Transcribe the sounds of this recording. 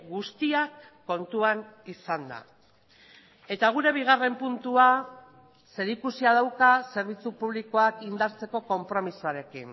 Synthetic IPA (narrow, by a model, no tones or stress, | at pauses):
ɡust̪iakː | o̞nt̪uanisand̪a̰ | e̞t̪aɣ̞uɾe̞β̞iɣ̞are̞mpunt̪ua | se̞ɾikusiaðawkase̞ɾβ̞it͡supuβ̞liko̞akind̪aɾt͡se̞ko̞ko̞mpɾo̞misuaɾe̞kin